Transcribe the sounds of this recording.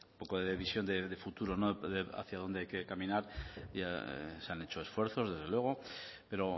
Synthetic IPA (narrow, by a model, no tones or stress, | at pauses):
umpo̞ko̞ðeðeβisjo̞nd̪ed̪efut̪uɾonoðea̰θjað̞o̞nd̪e̞ajke̞kamĩnaɾa̰seane̞t͡ʃo̞esfwe̞ɾθo̞zðe̞zðelwe̞ɣ̞o̞ | pe̞ɾo̞